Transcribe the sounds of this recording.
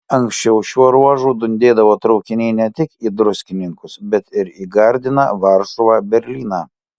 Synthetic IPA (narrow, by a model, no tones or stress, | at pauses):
ɐŋksʲt͡ʃʲɛʊʃʲuɔɾuɔʒuːd̪ʊnʲd̪ʲeːd̪ɐʋoːt̪ɾɒʊkʲɪnʲɛɪnʲɛt̪ʲɪkiːd̪ɾʊsʲkʲɪnʲɪŋkʊsbʲɛt̪ɪɾiːɡɐɾʲd̪ʲɪnɑ̰ːʋɐɾʃuʋɑːbʲɛɾʲlʲiːnɑː